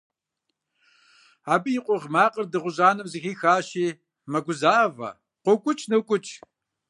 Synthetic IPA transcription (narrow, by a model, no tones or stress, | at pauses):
aːbijɪqʷʊʁmaːqʼərdɨʁʷʊʑaːnɨmzɨxiːxaːʃiː | mɐɡʷʊzaːvɐ̰ | qʷʊkʷʼʊt͡ʃʼnɨkʷʼʊt͡ʃʼ